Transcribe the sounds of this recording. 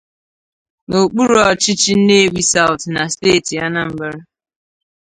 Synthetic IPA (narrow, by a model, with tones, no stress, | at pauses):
no˨k͡pu˦ɾɔ˦t͡ʃɪ˦t͡ʃi˦n̩˦ne˦e˦wʷi˦sa˦wʊ˨tna˨steː˦˨ti˨ja˦na˦m̩˦bɪ˦ɾɪ˦